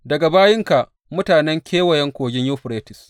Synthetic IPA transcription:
dɐ˨ɡa˨baː˦jɪ˦ŋka˨ʔ | mʊ˦taː˨nɛ˦ŋkʲeː˦wɐ˨jɛ˦ŋkʷoː˨ɡʲɪ˦ɲjoː˦ɸʊ˨ɾeː˦tɪ˨s

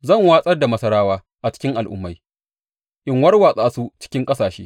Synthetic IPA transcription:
zɐ˦˨ŋwaː˦sʼɐ˦rda˨mɐ˦sɐ˦ɽaː˦waː˦ | ʔa˨t͡ʃɪ̥˦kʲɪ˦ŋʔa˨lʔʊ̰˦mːa˦j | ʔɪ˨ŋwɐ˦rwaː˨sʼaː˦su˦t͡ʃɪ̥˦kʲɪ˦ŋkʼɐ˦saː˨ʃḛː˦

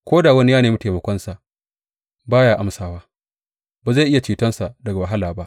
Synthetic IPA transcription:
kʷoː˦da˨wɐ˦ni˦jaː˦neː˨mi˦teː˨mɐ˨kʷɔ˦nsa˨ʔ | baː˦jaː˨ʔa˦msaː˨waː˦ | ba˨za˦˨ʔɪ˦ja˨t͡ʃiː˨tɐ˦nsa˨ʔdɐ˨ɡa˨wa˨ɦa˦laː˨ba˦ʔ

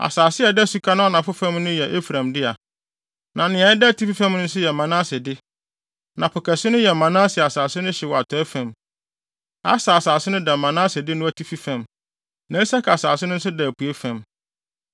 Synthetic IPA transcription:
a̰˨saː˨sɪ˦ɛ˨dɛ˦˨su˨kʰa˦nʊ̃˦nã˨fʊ˦fã˦mnʊ̃˦jɛ˨ʔe˦fɾã˨mdɪ˦a˨ | nã˨nɪ̃˨ã˨˦ɛ˦dɛ˦˨tʰi˦fi˦fã˦mnʊ̃˦n̩˦sʊ˦jɛ˨mã˨nã˦sɪ˨dɪ˦ | nã˨pʰʊ˨kʰɛ˨sɪ˦nʊ̃˦jɛ˨mːã˨nãː˦sɪ˨a˨saː˨sɪ˦nʊ̃˦ɕɪ˨wɔ˨a˨tʰɔ˨˦ɛ˦fã˨m | a̰˦sa˨a˨saː˨sɪ˦nʊ̃˦dɛ˨mːã˨nã˦sɪ˨dɪ˦nʊ̃˦æ˦˨tʰi˦fi˦fã˨m | næ̃˨˦i˦sa˦kʰa˨saː˨sɪ˦nʊ̃˦n̩˦s̬ʊ˦dɛ˨pʰu˨e˦fæ̃˨m

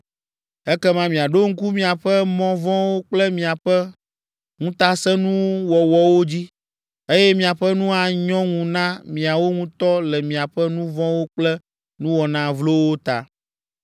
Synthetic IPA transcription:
ɛ˦kɛ˦mã˦mĩ˨a˨ɖo˦ŋ̩˦ku˦mĩ˦a˨ɸɛ˦mɔ̃˦vɔ̃˦wo˦k͡plɛ˦mĩ˨a˨ɸɛ˦ | ŋũ˦t̪a˦sɛ̃˦nũ˦wɔ˨wɔ˦wo˦d͡ʑi˦ | e˦jɛ˦mĩ˨a˨ɸɛ˦nũ˦a˨ɲɔ̃˦ŋũ˨nã˦mĩ˨a˨wo˦ŋũ˦t̪ɔ˦lɛ˨mĩ˨a˨ɸɛ˦nũ˦vɔ̃˦wo˦k͡plɛ˦ | nũ˦wɔ˨nã˨vlo˦wo˦t̪a̰˨

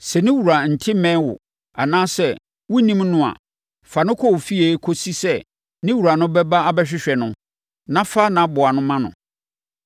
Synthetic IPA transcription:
sɛ˨nɪ̃˦wu˨ɾa˨n̩˨tʰɪ˦mɛ̃˦wʊ̰˨ | a˨nãː˦sɛ˦ | wʊ˦nĩ˦mnʊ̃˦a̰˨ | fa˨nʊ̃˦kʰɔ˦˨wfi˦e˨˦kʰo˦si˦sɛ˦ | nɪ̃˦wu˨ɾa˨nʊ̃˦bɛ˦ba˦a˦bɛ˦ɕᶣɪ˦ɕᶣɛ˨nʊ̃˦ | nã˦fa˦nã˨˦bʊ˨a˨nʊ̃˦mã˦nʊ̰̃˨

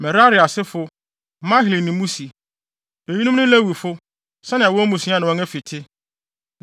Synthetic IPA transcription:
mɛ˨ɾa˦ɾɪ˨a˨sɪ˦fʊ˦ | mã˦ɦɪ˨li˨nĩ˨mũ˦si˨ | e˨ji˦nũ˦mnʊ̃˦læ˦˨wi˨fʊ˦ | sɛ̃˦nɪ̃˨wɔ˦mũ˨sĩ˨˦a˦n˨ʊ̃˨ɔ̃˦ɛ˦fi˨tʰɪ˦

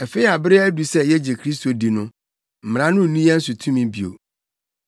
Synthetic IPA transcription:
ɛ˨fe˦i˦a˨bɪ˦ɾɪ˦æ˦du˨sɛ˦jɛ˦d͡ʑe˨kʰɾi˦s̬to˨di˨nʊ̃˦ | m̩˨m˨ɾ̃ã˦nʊ̃˦˨nũ˦jɛ˦n̩˦su˨tʰũ˦mĩ˦bi˨o̰˨

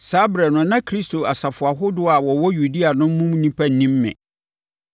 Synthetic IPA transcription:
saː˦bɾɛ˨nʊ̃˨nã˦kʰɾi˦stʰo˨a˨sa˨fʊ˨a˨ɦʊ˦dʊ˦a˨wɔ˨wɔ˦ju˨di˦a˨nʊ̃˦m̩˦mũ˦m˦nĩ˦pʰa˦n̩˨nĩ˦mːɪ̰̃˨

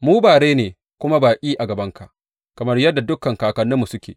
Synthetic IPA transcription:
muː˦baː˨ɽeː˦neː˨ | kʷʊ˦ma˦baː˨kʲʼiː˦ʔa˨ɡɐ˨bɐ˦ŋka˨ʔ | kɐ˨mɐ˦rjɐ˦dːa˨dʊ˦kːɐ˨ŋkaː˨kɐ˨nːɪ˦mːu˨sʊ˦kʲḛː˨

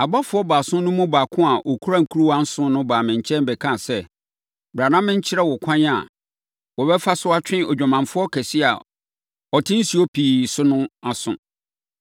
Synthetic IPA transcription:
a˨ba˦fʊ˦ɔ˦baː˨sʊ̃˦nʊ̃˦mʊ̃˦baː˨kʰʊ̃˦a˨ʔɔ˨kʰu˦ɾa˦ŋ̩˨kʰu˦ɾu˦wã˦n̩˦sʊ̃˦nʊ̃˦baː˨mɪ̃˨ɲ˨t͡ɕʰɛ̃˦m˦bɛ˨kʰã˦˨sɛ˦ | ba˨nã˦mːɪ̃˦ɲ̩˦t͡ɕʰɪ˦ɾɛ˦wɔ˨kʷʰã˦ɲ˦a̰˨ | wɔ˨bɛ˦fa˦sʊ˦a˦t͡ɕᶣɪ̃˦ɔ˨d͡ʑᶣa˨mã˨ɱfʊ˦ɔ˦kʰɛ˨si˦a̰˨ | ɔ˨tʰɪ̃˦n̩˦si˨ɔ˦pʰiː˨sʊ˦nʊ̃˦a˨sʊ̰̃˨

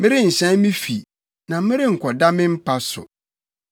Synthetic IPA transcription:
mɪ̃˦ɾɪ˦n̩˨ɕɛ̃˦n˦mĩ˦fi˨ | nã˨˦mɪ̃˦ɾɪ˦ŋ̩˨kʰɔ˨da˦mɪ̃˦m̩˦pʰa˦sʊ̰˨

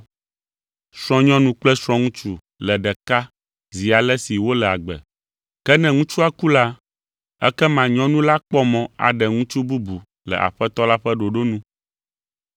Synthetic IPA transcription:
sɾ̃ɔ̃˦ɲɔ̃˦nũ˦k͡plɛ˦sɾ̃ɔ̃˦ŋũ˦t͡ʃu˦ | lɛ˨ɖɛ˨ka˦ | zi˨a˨lɛ˦si˨wo˦lɛ˨a̰˨ɡ͡bɛ̰˨ | kɛ˦nɛ̃˨ŋũ˦t͡ʃu˦a˦ku˦la˦ | ɛ̰˦kɛ˦mã˨ɲɔ̃˦nũ˦la˦k͡pɔ˦mɔ̃˨a̰˨ɖɛ˨ŋũ˦t͡ʃu˦bu˦bu˨ | lɛ̰˨ʔa̰˨ɸɛ˦t̪ɔ˦la˦ɸɛ˦ɖo˨ɖo˦nũ˦

